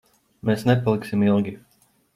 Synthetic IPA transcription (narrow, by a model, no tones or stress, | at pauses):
meːsnepalˠiksimilˠɡʲi